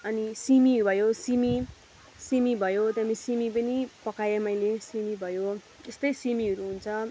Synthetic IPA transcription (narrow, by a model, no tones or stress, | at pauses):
ʌnisimibʱʌjosimi | simibʱʌjot̪amisimipʌnipʌkajemʌjlesimibʱʌjo | est̪ʌjsimiʌɾuɦunt͡sʰʌ